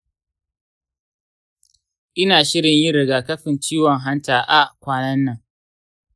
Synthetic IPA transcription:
ʔɪ˦naː˨ʃɪ˦ɽɪ˨ɲjɪ˦ɾɪ˨ɡaː˨kɐ˦ɸɪ˨nt͡ʃiː˦wɔ˨ŋɦa˦ntaː˨ʔa˦ʔkʷaː˦nɐ˦nːɐ˨ŋ

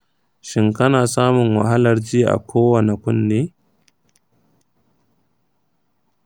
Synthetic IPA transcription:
ʃɪ˦ŋkɐ˦naː˨saː˦mʊ˨ŋwa˨ɦa˦lɐ˨rd͡ʒi˦˨ʔa̰˨kʷʰoː˦wɐ˨ne˨kʷʊ˦nːeː˦

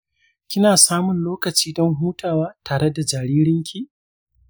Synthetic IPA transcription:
kʲɪ˦naː˨saː˦mʊ˨nloː˦kɐ˨t͡ʃiː˦dɔ˦ŋɦuː˦tʰaː˨waː˦tʰaː˨ɽe˦da˨d͡ʒa˨ɾiː˦ɾɪ˦ŋkʲi˦

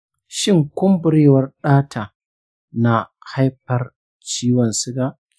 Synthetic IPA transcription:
ʃɪ˦ŋkʷʊ˦mbʊ˨ɾeː˦wɐ˨rɗaː˦tʰaː˨ | na˨ha˦jɸɐ˨r | t͡ʃiː˦wɔ˨nsɪ˦ɡaː˦

